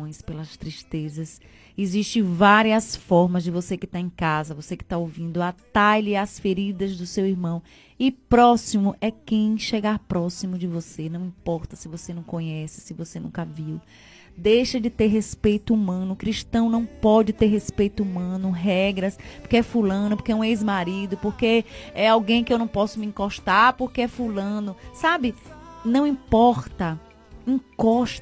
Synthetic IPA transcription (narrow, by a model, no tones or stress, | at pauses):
õj̃spelɐst̪ɾiʃt̪ezɐs | eziʃt͡ʃẽj̃vaɾiɐsfɔɾmɐzd͡ʒɪvosekɪt̪aẽkazɐvosekɪ̥t̪aowvĩnd̪ʊat̪ajliasfeɾid̪ɐzd̪ʊsewiɾmɐ̃w̃ | ɪpɾɔsimʊʔɛkẽj̃ʃeɡaɾpɾɔsimʊd͡ʒɪvosenɐ̃w̃ĩpɔɾt̪ɐsɪvosenɐ̃w̃kõɲɛsɪ̥sɪvosenṵ̃kɐviw | d̪ejʃɐd͡ʒɪt̪eɾɦespejt̪ʊumɐ̃nʊkɾiʃt̪ɐ̃w̃nɐ̃w̃pɔd͡ʒɪt̪eɾɦespejt̪ʊumɐ̃nʊɦɛɡɾɐspoɾkeɛfulɐ̃nʊpoɾkeũejzmaɾid̪ʊpoɾkeɛawɡẽj̃kɪewnɐ̃w̃pɔsʊmiĩkoʃt̪aɾpoɾkeɛfulɐ̃nʊsabɪnɐ̃w̃ĩpɔɾt̪ɐ | ĩkɔʃ